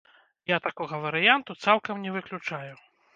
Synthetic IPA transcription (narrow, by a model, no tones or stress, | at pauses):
jat̪akɔɣɐvɐɾɨjant̪ut̪salˠkɐmnʲɛvɨklʲut͡ʂaju